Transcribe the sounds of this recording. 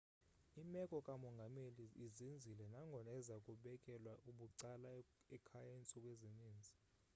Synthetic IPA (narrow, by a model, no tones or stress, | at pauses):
imɛkʼɔkʼamɔŋɡʱameliːzind͡zʱilɛnaŋɡʱɔnaɛzakʼuɓɛkʼɛlwaʔuɓuǀalaɛkʰajaint͡sʼɔkʼweziniːnd͡zʱi